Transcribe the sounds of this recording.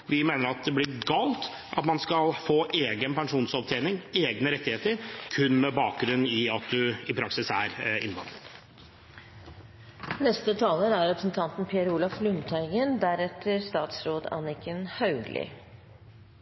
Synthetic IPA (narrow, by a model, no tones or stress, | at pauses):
ʋɪmeːnəɾɑt̪̚d̪ɛblɪɾɡɑːlt̪ | ʔɑ̰t̪mɑnskɑlfoːʔeːɡənpɛŋʂuːnsɔʋt̪ʰeːnɪŋeːɡnəɾɛt̪ːɪheːt̪əɾkʰʉnːmɛbɑːk̚ɡɾʉnːɪɑt̪̚d̪ʉɪpʰɾɑksɪsæɾɪ̰nb̪ɑ̰nːə | nɛst̪ət̪ʰɑːləɾæɾɾɛpɾəsn̩t̪ʰɑnt̪n̩pʰɪəɾuːlɑflʉnt̪ʰæɪɡənd̪æɾɛt̪ʰːəɾst̪ɑːt̪sɾoːd̪ɑ̰nɪkʰənhɑʉɡlʔɪ̰